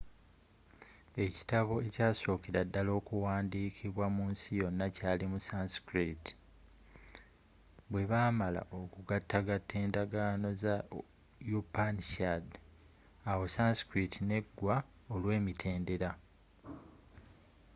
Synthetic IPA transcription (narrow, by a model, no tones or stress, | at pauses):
e̞ci̥taβo̞e̞caːso̞ːkiɾadːalo̞ːkuwaːndiːkʰiβwamuːnsijo̞nːacaːlimusasi̥kɾiti̥ | βwe̞βaːmala̰ʔokuɡatːaɡatʰːe̞ːndaɡaːno̞za | jupanʃad | awo̞sansi̥kɾitʰine̞ɡːwa | olwe̞ːmitʰe̞ːnde̞ɾa